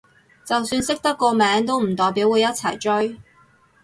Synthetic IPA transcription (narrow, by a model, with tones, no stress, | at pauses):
t͡sɐ˨wsyː˧nsɪ˥k̚t̪ɐ˥kːɔː˧mɛː˨˥ŋt̪o˥wm̩˨˩t̪ɔː˨˩jpiː˨˥wuː˨˧jɐ˥t̚t͡sʰɐ˨˩jt͡ʃɵ˥ɥ